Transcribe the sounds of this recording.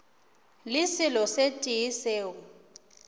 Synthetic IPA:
lɪsilɔsetʼijiseːwɔ

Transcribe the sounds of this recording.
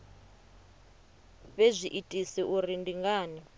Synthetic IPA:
βezʷiʔitʼisiʔurindiŋɡaːni

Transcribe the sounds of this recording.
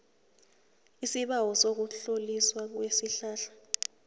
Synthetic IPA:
isiɓawɔsok̬uɬoliswak̬wesiɬaːɬḁ

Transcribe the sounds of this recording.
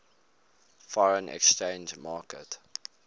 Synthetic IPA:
fɔɹə̃nʔɛ̰kst͡ʃẽɪnd͡ʒmɑːkət

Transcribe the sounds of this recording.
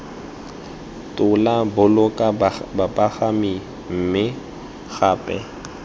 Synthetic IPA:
tʼʊlabʊlʊkʼabapʼaχami | m̩mɪ | ɣaːpʼɛ

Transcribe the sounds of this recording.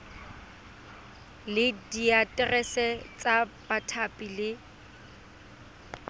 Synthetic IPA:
lɪdiatʼɛrɛsɛt͡sʼab̥atʰapʼilɪ

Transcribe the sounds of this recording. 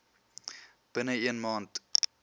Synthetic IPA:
b̥ənəiənmɑːnt

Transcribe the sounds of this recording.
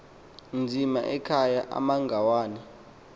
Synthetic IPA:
nd͡zʱimaʔɛkʰajaʔa̰maŋɡʱawaːnɛ

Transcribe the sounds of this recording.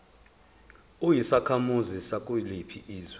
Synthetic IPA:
ujisakʰamuzisakʼulipʰiʔiːzwɛ

